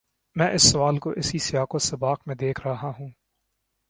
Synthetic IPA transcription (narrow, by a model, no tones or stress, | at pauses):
mɛ̃ːʔɪsːʊʋaːlkoʔɪsisɪjaːkosɐbaːqmẽd̪eːkʰɾɐɦaɦũː